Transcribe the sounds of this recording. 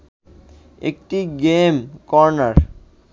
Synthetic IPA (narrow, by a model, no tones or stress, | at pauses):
ek̚ʈiɡemkɔɾnaɾ